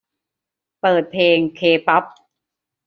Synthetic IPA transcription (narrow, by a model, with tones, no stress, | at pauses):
pɤː˨˩t̪̚pʰleː˧ŋkʰeː˧pɔ˦˥p̚